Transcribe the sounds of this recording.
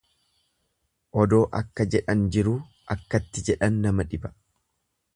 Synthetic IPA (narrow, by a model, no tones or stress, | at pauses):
ʔɔd̪o̞ːʔɐkːɐd͡ʒɛᶑɐnd͡ʒɪɾuː | ʔɐkːɐt̪ːɪd͡ʒɛᶑɐnːɐmɐᶑɪbɐ̥